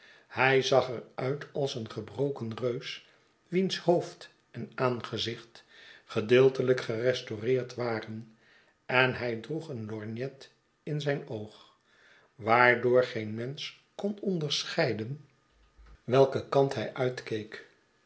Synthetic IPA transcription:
hɛjzɑχɛrœɥtʰɑlˠsənχəbrowkənrøɥs | ʋinshowft | ɛnaːnχəzɪχtχədɪːlˠtələkχərɛstorɪːɹtʋaːrən | ɛnɦɛjdruχənlɔɹnjɛt | ɪnzɛjnowχ | ʋaːɹdʊːɹχenmɛns | kɔnɔndəɹsχɛjdən | ʋɛlˠkəkɑntɦɛjʔœɥtkejk

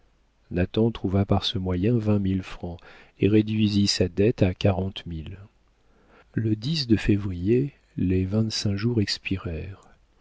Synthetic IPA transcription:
nat̪ɑ̃t̪χuvapaʁsəmwajɛ̃vɛ̃milfχɑ̃eʁed̪ɥizisad̪ɛt̪akaʁɑ̃t̪mil | ləd̪is̬d̪əfevʁije | levɛ̃t̪sɛ̃ʒuʁɛkspiʁɛːʁ

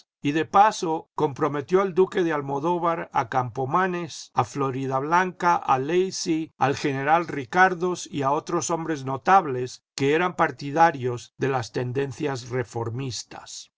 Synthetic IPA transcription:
iðe̞paso̞ko̞mpɾo̞me̞t̪jo̞ald̪uke̞ðealmo̞ðoβaɾa̰kampo̞manesaflo̞ɾiðaβlaŋkaʔalejsia̰lxe̞ne̞ɾalrikaɾðo̞siao̞t̪ɾo̞so̞mbɾe̞zno̞t̪aβle̞ske̞eɾampaɾt̪iðaɾjo̞zðe̞last̪e̞nd̪e̞nθjasre̞fo̞ɾmist̪a̰s

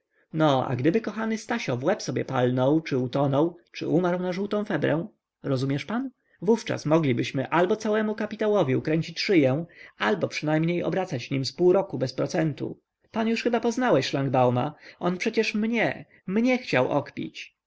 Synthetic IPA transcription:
nɔa̰ɡd̪ɘbɘkɔxanɘst̪aɕɔvwɛpsɔbʲjɛpalnɔwt͡ʂɘut̪ɔnɔwt͡ʂɘ̰ʔumaɾwnaʐuwt̪ɔ̃w̃fɛbɾɛ̃w̃ | ɾɔzumʲjɛʂpan | vuft͡ʂa̰smɔɡlʲibɘɕmɘʔalbɔt̪sawɛmukapʲit̪awɔvʲiukɾɛɲʲt͡ɕit͡ɕʂɘjɛw̃albɔpʂɘnajmɲejɔ̰bɾat̪sad͡ʑɲimspuwɾɔkubɛspɾɔt̪sɛnt̪ṵ | panjuʂxɘbapɔznawɛɕʂlaŋɡbawma̰ɔnpʂɛt͡ɕɛʂmɲɛ | mɲɛxt͡ɕawʔɔ̰kpʲḭt͡ɕ

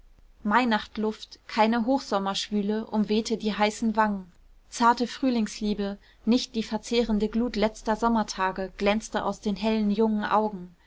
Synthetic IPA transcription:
maɪnaχtlʊftkʰaɪnəɦoːxz̥ɔmɐʃv̥yːləʔʊmveːtədiːɦaɪsn̩vaŋən | t͡saɐtəfʁ̥yːlɪŋsliːbə | nɪçt̚d̥iːfɛɐt͡seːʁəndəɡluːtlɛt͡stɐzɔmɐtʰaːɡəɡ̥lɛnt͡stəʔa̰ʊsd̥eːnɦɛlənjʊŋən̩ʔa̰ʊɡŋ̩

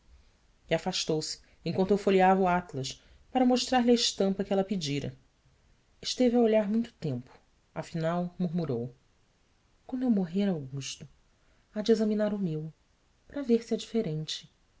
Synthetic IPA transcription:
iafaʃt̪owsɪ̥ | ẽkw̃nt̪ʊewfoliavɐuat̪lɐʃ | paɾɐmoʃt̪ɾaɾlɪɐɪʃt̪ɐ̃mpɐkɪɛlɐpid͡ʒiɾɐ̰ | ɪʃt̪eviaoʎaɾmũj̃t̪ʊ̥t̪ẽmpʊ̥ | ɐfinawmuɾmuɾow | kõewmoɦeɾawɡuʃt̪ʊ | ad͡ʒezɐminaɾʊmew | pɾɐveɾsɪɛd͡ʒifeɾẽnt͡ʃɪ̥

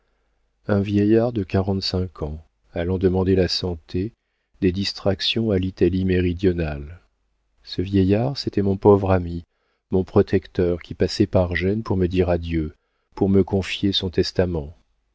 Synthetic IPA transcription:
ɛ̃vjɛjaʁd̪əkaʁɑ̃t̪sɛ̃kʰɑ̃ | alɑ̃d̪əmɑ̃d̪elasɑ̃t̪ʰe | d̪ed̪ist̪χaksjɔ̃alit̪alimeʁid̪jɔnal | səvjɛjaʁset̪ɛmɔ̃povʁami | mɔ̃pχɔt̪ɛkt̪œʁkʲipasɛpaʁʒɛnpuʁməd̪iʁad̪jø | puʁməkɔ̃fjesɔ̃t̪ɛst̪amɑ̃

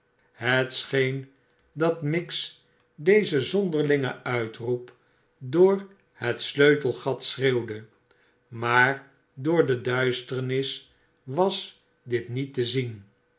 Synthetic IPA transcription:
ɦətsχejn | dɑtmɪks | dejzəzɔndəɹlɪŋə̰œɥtrup | dʊːɹ | hətsløɥtəlˠχɑtsrewdə | maːɹ | dʊːɹdədœɥstəɹnɪs | ʋɑs | dɪtnitəzin

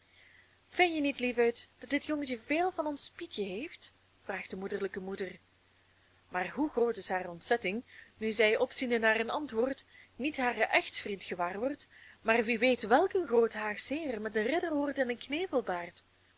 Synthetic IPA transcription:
fɪnjənitlivœɥtd̥ɑt̚dɪtjɔŋətəveːlˠvɑnɔnspitjəɦeːft | fraːxdəmudərləkəmudər | maːrɦuxroːtɪsɦaːrəɔntsɛtɪŋnyzɛjɔpsindənaːrənɑntʋoːrtnitɦaːrəʔɛxtfrintxəʋaːrʋɔrtmaːrʋiʋejtʋɛlˠkənxroːtɦaːrseːrmɛtənrɪdərɦoːrtɛnənkneːvəlˠbaːrt

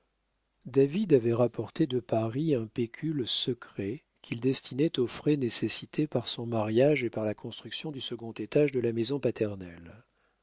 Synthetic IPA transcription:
d̪avid̪avɛʁapɔʁt̪ed̪əpaʁiɛ̃pekʲʰylsəkχɛ | kʲʰild̪ɛst̪inɛt̪ofχɛnesesit̪ʰepaʁsɔ̃maʁjaʒepaʁlakʰɔ̃st̪χyksjɔ̃d̪ysəɡɔ̃t̪et̪aʒd̪əlamezɔ̃pat̪ʰɛʁnɛ̰l

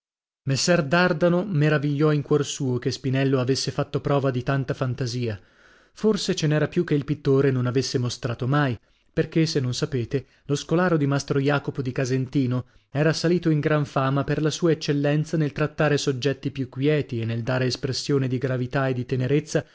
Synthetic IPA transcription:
mesːɛrd̪ard̪anomeɾaviʎːɔiŋkwɔrsuːokespinɛlːoavesːefat̪ːopɾɔːvad̪it̪ant̪afant̪aziːa | forset͡ʃenɛːɾapjukːeilpit̪ːoːɾenonavesːemost̪ɾaːt̪omaj | perk̟esenːonsapeːt̪e | loskolaːɾod̪imast̪ɾojaːkopod̪ikazent̪iːno | ɛːɾasaliːt̪oiŋɡɾaɱfaːmaperlasuːaet͡ʃːelːɛnt̪sanelt̪ɾat̪ːaːɾesod͡ʒːɛt̪ːipjukːwjɛːt̪ienːeld̪aːɾeːspɾesːjoːned̪iɡɾavit̪aed̪ːit̪eneɾet̪sːa

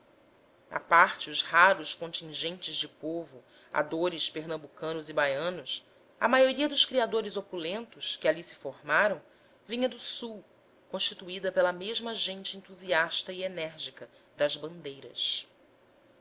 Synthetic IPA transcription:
a̰paɾt͡ʃɪʊzhaɾʊʃkõnt͡ʃĩʒẽnt͡ʃɪzd͡ʒɪpovʊ | a̰d̪oɾɪspeɾnɐ̃mbukɐ̃nʊzibajɐ̃nʊs | ɐ̰majoɾiɐd̪ʊʃkɾiad̪oɾɪzopulẽnt̪ʊskɪalisɪ̥foɾmaɾɐ̃w̃ | vĩɲɐd̪ʊsuw | kõʃt͡ʃit̪uid̪ɐpelɐmeʒmɐʒẽnt͡ʃɪẽnt̪uziaʃt̪ɐienɛɾʒikɐd̪ɐzbɐ̃nd̪ejɾɐ̰s

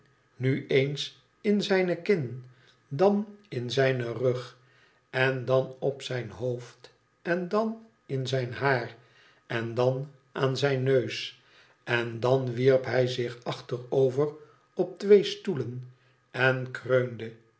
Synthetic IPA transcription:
nyʔejns | ɪnzɛjnəkɪn | dɑnɪnzɛjnərøχ | ɛndɑnɔpsɛjnɦowft | ɛndɑn | ɪnzɛjnɦaːr | ʔɛndɑn | ʔaːnzɛjnːøɥs | ɛndɑnʋiɹpɦɛjzɪχɑχtərowvər | ɔp̚tʋejstulən | ɛnkrøɥndə

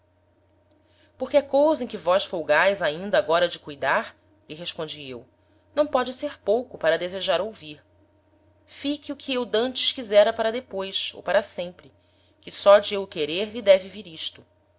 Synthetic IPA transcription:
poχkɪɐkowzɐẽkɪvɔʃfowɡajzaĩnd̪ɐaːɡɔɾɐd͡ʒɪkujd̪aɾ | iɦeʃpõnd͡ʒiḛw | nɐ̃w̃pɔd͡ʒɪseɾpowkʊpaɾɐd̪ezeʒaɾowviɾ | fikiukʰiewd̪ɐ̃nt͡ʃɪ̥ʃkizɛɾɐpaɾɐd̪epojso̰wpaɾɐsẽmpɾɪ | kɪsɔd͡ʒɪewkeɾeɾʎid̪ɛvɪviɾiʃt̪ʊ

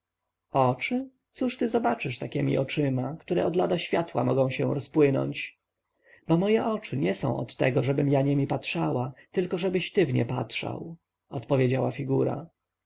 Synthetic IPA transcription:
ɔt͡ʂɘ | t̪suʂt̪ɘzɔbat͡ʂɘʂt̪akʲɛmʲḭʔɔt͡ʂɘmakt̪uɾɛɔd̪lad̪aɕfʲjat̪wa̰mɔɡɔ̃w̃ɕɛɾɔspwɘnɔ̰ɲt͡ɕ | bɔmɔjɛʔɔt͡ʂɘɲɛsɔ̰̃w̃ɔ̰t̪ːɛ̰ɡɔʐɛbɘmjaɲɛmʲipatʂawat̪ɘlkɔʐɛbɘɕt̪ɘvɲɛ̰pa̰tʂa̰w | ɔt̪pɔvʲjed͡ʑawafʲiɡuɾa̰

